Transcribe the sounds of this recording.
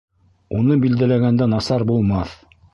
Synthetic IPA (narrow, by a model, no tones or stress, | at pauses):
unɤbild̪ælæɡænd̪ænɑsɑɾbulˠmɑθ